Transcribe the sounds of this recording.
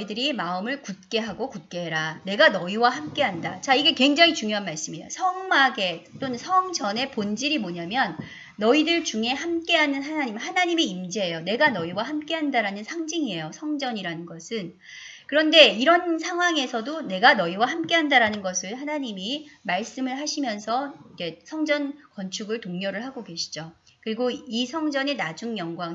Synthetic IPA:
idɯɾimaɯmɯɭkut̚k͈e̞ɦaɡokut̚k͈e̞ɦeɾane̞ɡanʌiwahamk͈e̞ɦandat͡ɕaiɡe̞kwe̞ŋd͡ʑaŋit͡ɕuŋjoɦanmaɭs͈ɯmijosʰʌŋmaɡe̞t͈onɯnsʰʌŋd͡ʑʌne̞pond͡ʑiɾimoɲamjʌnː | ʌidɯɭt͡ɕuŋe̞ɦamk͈e̞ɦanɯnɦanaɲimhanaɲimiimd͡ʑeɦejone̞ɡanʌiwaɦamk͈e̞ɦandaɾanɯnsʰaŋd͡ʑiŋiɦe̞josʰʌŋd͡ʑʌɲiɾanɯnɡʌsʰɯn | kɯɾʌnde̞iɾʌnsʰaŋɦwaŋe̞sʰʌdone̞ɡanʌiwaɦamk͈e̞ɦandaɾanɯnɡʌsʰɯɭɦanaɲimimaɭs͈ɯmɯɭɦaɕʰimjʌnsʰʌid͡ʑe̞sʰʌŋd͡ʑʌnkʌnt͡ɕʰuɡɯɭtoŋɲjʌɾɯɭɦaɡoɡeɕʰi̥d͡ʑo | kɯɾiɡoisʰʌŋd͡ʑʌne̞nad͡ʑuŋjʌŋɡwaŋ

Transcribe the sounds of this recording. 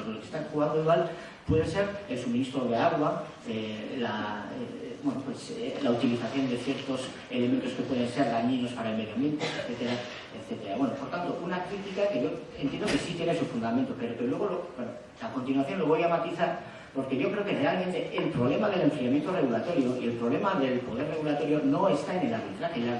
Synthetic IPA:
oðelokest̪aŋxuɣand̪oiɣwal | pwe̞ðese̞ɾe̞lsumĩnist̪ɾo̞ðeaɣwa | ela | bwenopwe̞slaut̪iliθaθjo̞nd̪e̞θjeɾt̪o̞s | e̞le̞me̞nt̪oske̞pwe̞ð̞ẽnse̞ɾɣaɲino̞spaɾaelme̞ðjomje̞nt̪oeθet̪e̞ɾa | et̪θe̞t̪e̞ɾaβwe̞nopo̞ɾt̪ant̪o̞ʔunakɾit̪ikake̞ʝo̞ent̪jenokesit̪jenesufund̪amẽnt̪ope̞ɾokelwe̞ɣ̞o̞lobwono | lako̞nt̪inwaθjo̞nlo̞βojamat̪iθaɾ | po̞ɾke̞ʝo̞kɾe̞oke̞re̞alment̪e̞ʔelpɾo̞βle̞maðele̞ɱfɾiamje̞nt̪ore̞ɣulat̪o̞ɾjo̞ie̞lpɾo̞β̞le̞maðe̞lpoð̞e̞rːe̞ɣulat̪o̞ɾjo̞no̞e̞st̪aene̞laɾβit̪ɾaχeja

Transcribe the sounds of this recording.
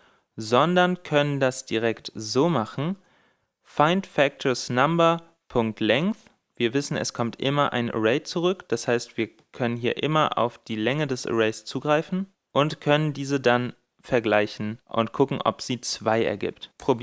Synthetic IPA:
zɔndɐnkʰœnəndasd̥iʁɛktzoːmaχn̩ | faɪntfɛk̚tʰɔsnambɐ | pʰʊŋk̚tʰlɛŋkθ | v̥iːɐvɪsn̩ɛ̰skʰɔmtʔɪmɐʔa̰ɪnʔə̰ʁɛɪt͡suʁʏkd̥ashaɪstv̥iːɐ | kʰœnənɦiːɐʔɪmɐʔa̰ʊfd̥iːlɛŋədɛsə̰ʁɛɪst͡suːɡʁaɪfn̩ | ʔʊntkʰœnəndiːzədan | fɛɐɡlaɪçn̩ʔʊ̰ntkʰʊkŋ̩ʔɔ̰pz̥iːt͡sv̥aɪʔɛ̰ɐɡɪ̰ːptpʁ̥obi

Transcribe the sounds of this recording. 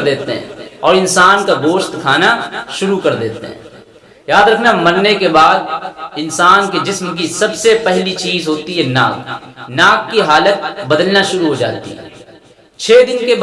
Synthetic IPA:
d̪eːt̪eɦɛ̰̃ːɔːɾɪnsaːnkaɡoːʃt̪kʰaːnaʃʊɾukɐɾd̪eːt̪ḛɦɛ̰̃ː | jaːd̪ɾɐkʰnamɐnnekebaːd̪̚ɪnsaːnked͡ʒɪsmk̬isɐbsepɛɦlit͡ʃiːzɦoːt̪iɦɛna̰ːknaːkːiɦaːlət̪̚bɐd̪əlnaʃʊɾuɦod͡ʒa̰ːt̪ḭɦɛ̰ | t͡ʃʰeːd̪ɪnkeb

